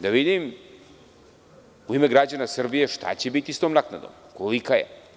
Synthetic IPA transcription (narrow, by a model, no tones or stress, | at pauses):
d̪aʋid̪im | uime̞ɡɾad͡ʑanasr̩bije̞ʃt̪a̰t͡ɕe̞bit̪ist̪oːmnakna̰d̪o̰mkolikajḛ